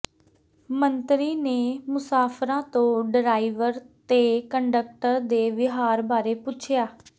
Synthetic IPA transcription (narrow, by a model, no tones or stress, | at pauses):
mənt̪ɾiːneːmʊsaːpʰɾãːt̪õːɖəɾaːiʋəɾt̪eːkəɳɖək̚ʈəɾd̪eːʋɪɦaːɾbaːɾeːpʊt͡ʃʰjaː